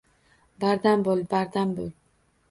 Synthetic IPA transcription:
baɾd̪ambolˠbaɾd̪ambolˠ

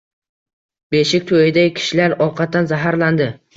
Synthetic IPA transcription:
be̞ʃɪkʲt̪ʰojɪd̪akʲʰɪ̥ʃɪlaɾɒqʰɑt̪̚ːanzaɦaɾland̪ɪ

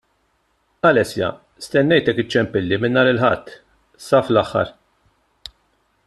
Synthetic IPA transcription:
ɐlɛsjɐ̰ | st̪ɛnːɛjt̪ɛkːɪt͡ʃːɛmpɪlːimɪnːɐːɾɪlħɐt̪ː | sɐːflɐħːɐ̰ɾ

